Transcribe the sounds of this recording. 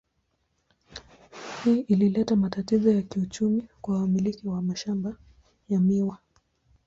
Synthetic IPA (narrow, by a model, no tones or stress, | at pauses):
hiːʔililɛtamatatizɔjakiut͡ʃumikwaumilikiwamaʃamba | jamiwa